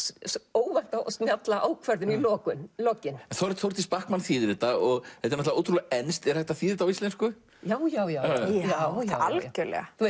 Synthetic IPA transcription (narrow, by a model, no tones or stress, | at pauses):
oːwvan̥t̪aɔ̰st̪njat̪laʔoːwkʰvɛɾðʏnilɔːkʏnlɔːcɪnɛnθowɾt̪θowɾ̥t̪ispahkmanθiːðɾɪt̪aɔɣɛt̪ɛɾnɔt̪laoːwt̪ɾulaɛnst̪ɛɾ̥hɛht̪aθiːðɪɾɪt̪awist̪ɛnskʏ | jaːwjaːwjajawalcʏɾlɛ̰ːɣaθue